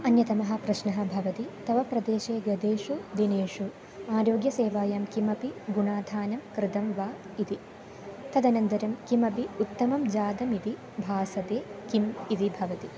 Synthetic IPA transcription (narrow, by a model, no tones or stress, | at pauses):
ɐnjɐt̪ɐmɐɦɐ̆pɾɐʃnɐɦɐ̆bʱɐʋɐt̪it̪ɐʋɐpɾɐd̪eːʃeːɡɐd̪eːʂud̪ineːʂu | aːɾoːɡjɐseːʋaːjaːmkimɐpiɡunaːd̪ʱaːnɐmkɾɪt̪ɐmʋaː | it̪i | t̪ɐd̪ɐnɐnd̪ɐɾɐmkimɐpiut̪ːɐmɐmd͡ʒaːd̪ɐmit̪i | bʱaːsɐt̪eːkimid̪ibʱɐʋɐt̪i